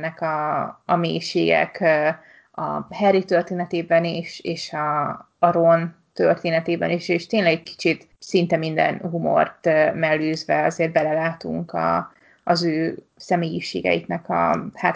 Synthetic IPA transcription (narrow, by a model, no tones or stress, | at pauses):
nːɛkɒːmeːjʃeːɡɛ̰k | ɒ̰hɛrit̪ørt̪eːnɛt̪eːbɛniʃeːʃɒː | ɾo̞n | t̪ørt̪eːnɛt̪eːbɛ̰niʃeːʃt̪eːnlɛɡɛc̚kʰi̥t͡ʃit̪ | sint̪ɛmind̪ɛ̰nɦumo̞̰rt̪ːmɛlːøːzʋɛɒzeːrd̪̚bɛlɛlaːt̪ṵŋkɒ̰ː | zøː | sɛmeːjiʃeːɡɛ̰jḭknɛkɒ̰haːt̪